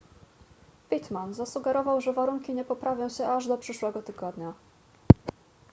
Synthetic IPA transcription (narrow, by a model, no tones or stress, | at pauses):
pʲit̪manzasuɡɛɾɔvawʐɛvaɾuŋkʲiɲɛpɔpɾavʲjɔ̃w̃ɕɛʔaʐd̪ɔpʂɘʂwɛɡɔt̪ɘɡɔd̪ɲa